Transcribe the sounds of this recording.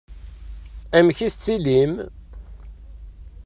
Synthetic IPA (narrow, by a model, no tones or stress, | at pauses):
æmçiθət͡sːilim